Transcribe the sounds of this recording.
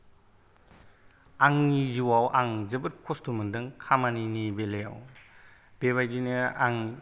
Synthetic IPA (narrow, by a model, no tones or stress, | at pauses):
aŋniziwawʔaŋzɐbɯɾkʰɔstumɐndɯŋkʰamaninibeleja̰w | b̥eβajdinɯaŋ